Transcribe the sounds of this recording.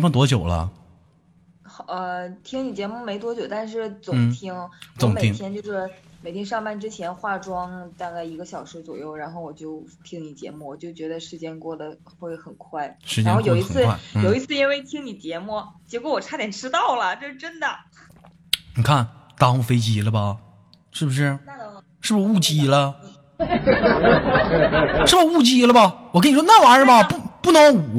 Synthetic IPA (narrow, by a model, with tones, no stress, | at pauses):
m˥˩t̪̬wɔ˥t͡ɕjo˨˩ʊlə̰˦ | xə˧˩t̪ʰi˥ŋni˨˩t͡ɕjɛ˧˥mu˥˩me˧˥ɪt̪wɔ˥t͡ɕjo˨˩ʊt̪a˥˧nʂ̬ɻ̩˥˩t͡sʊ˨˩˦ŋ˧t̪ʰi˥ŋt͡sʊ˨˩ŋme˨t̪ʰi˥ŋt̪jɛ˥nt͡ɕjo˥˧ʊʂɻ̩˥˩me˨˩ɪt̪i˥˧ŋʂɑ˥˧ŋpa˥˩nʈ͡ʂɻ̩˥t͡ɕʰjɛ˧˥nxwa˥˩ʈ͡ʂwɑ˥ŋt̪a˥˧ka˥˩ɪi˧˥ɡə˧ɕjɑ˨˩ʊʂɻ̩˧˥t͡swɔ˨˩jo˥˩ʊɻa˧˥nxo˥˩ʊwɔ˨˩t͡ɕjo˥˩ʊt̪ʰi˥ŋni˨˩t͡ɕjɛ̰˧˥mu˥˩wɔ˨˩t͡ɕjo˥˩ʊt͡ɕɥɛ˧˥d̪ə˧ʂɻ̩˥˩t͡ɕjɛ˥nkwɔ˥˩d̪ə˩ | xwe˥˩ɪxə˨˩nkʰwa˥˩ɪʂɻ̩˥˩t͡ɕɛ˥˧jo˨˧ʊi˧˥˨ɹ̩˥˩a˥˩˥jo˨˩ʊi˧˥t͡sʰɹ̩˥˧i˥nwe˥˩ɪt̪ʰi˥ŋni˨˩t͡ɕjɛ˧˥mu˥˩t͡ɕjɛ˧˥kwɔ˧˥wɔ˨˩ʈ͡ʂʰa˥t̪jɛ˨˩nʈ͡ʂʰɻ̩˥t̪ɑ˥˩ʊlə˩t͡ɕo˥˧ʊʂɻ̩˥˧ʈ͡ʂə˥nd̪ə˨ | ni˨˩kʰa˥˩nt̪a˥u˥˩fe˥ɪt͡ɕi˧˥lə˧bɐ˨ | ʂɻ̩˥˩bu˩ʂ̬ɻ̩˥˩ | ʂɻ̩˥˩bʂu˥˩t͡ɕi˨˩lə˧ | ʂɻ̩˥˩bʂu˥˩t͡ɕi˧˥lə˧bɐ˧wɔ˨k̬ə˥ni˨˩ʂwna˥˩wa˧˥ə˧˩bɐ˧pu˥˩pu˥˩nɤ˧˥ŋ˨